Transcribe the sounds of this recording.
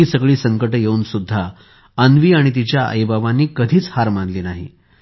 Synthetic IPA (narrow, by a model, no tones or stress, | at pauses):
iːsəɡɭiːsəŋkəʈjeuːnsud̪ʱːa | ənʋiːaɽ̃it̪̬it͡ɕjaʔə̰jbaʋanːiːkəd̪ʱiːt͡shaɾmanliːnaɦḭ